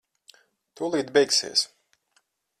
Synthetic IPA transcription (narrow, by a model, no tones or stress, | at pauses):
t̪uːlˠiːd̪bɛjksḭɛs